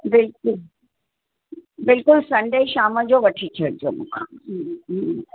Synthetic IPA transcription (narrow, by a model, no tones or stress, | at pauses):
bɪlkʊl | bɪlkʊlsɐ̃ɳɖəiʃaːmãd͡ʒobɐʈʰit͡ʃʰəɾ̚d͡ʒo̰mʊ̰kʰa